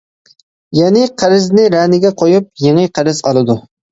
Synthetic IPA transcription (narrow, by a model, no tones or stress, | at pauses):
jɛnɪqʰəɾɪznɪɾænɪɡʲɛqʰojup̚jeŋɨqʰəɾɪzɑ̰lˠɨd̪u